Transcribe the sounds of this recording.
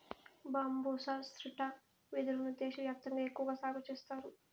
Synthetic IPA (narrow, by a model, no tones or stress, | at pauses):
baːmboːsast̪ɾiʈa | ʋid̪uɾunut̪eːʃɐʋjaːk̚t̪ɐŋɡaːekːuʋɐɡaːsaːɡɐt͡ʃeːst̪aːɾu